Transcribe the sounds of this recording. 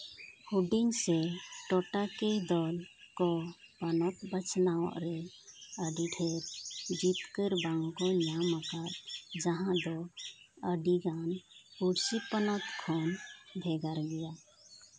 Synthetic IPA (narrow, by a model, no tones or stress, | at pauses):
huɖiŋseʈɔʈaked̪ɔlkɔpənɔt̪bət͡ʃʰnaɔ̰ʔɾɛəɖiɖʰʱeɾd͡ʒit̪kəɾbãŋɡkɔlaməkat̪d͡ʒəɦãd̪ɔ | əɖiɡanuɽsipənɔt̪kʰonbʱɛɡaɾɡɛja